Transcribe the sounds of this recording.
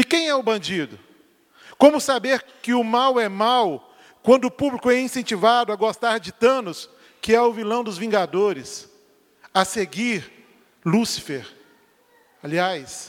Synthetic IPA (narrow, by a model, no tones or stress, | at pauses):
ɪkẽj̃ɛʊbɐ̃d͡ʒid̪ʊ | kõmʊsabeɾkɪʊmawɛmaw | kwɐ̃nd̪ʊʊpublikʊɛĩsẽnt͡ʃivad̪ʊɐɡost̪aɾd͡ʒɪt̪ɐ̃nʊs | kɪɛʊvilɐ̃w̃d̪ʊzvĩŋɡad̪oɾɪs | aseɡiɾ | lusi̥feɾ | aliajs